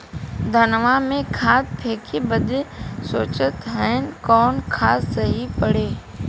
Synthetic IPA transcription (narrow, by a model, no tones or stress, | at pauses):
d̪ʱənʋamẽkʰaːt̪̚pʰeːkʰibəd̪ɪsoːt͡ʃət̪ɦəɪn̆kɔːnkʰaːsːɐɦipɐɽeː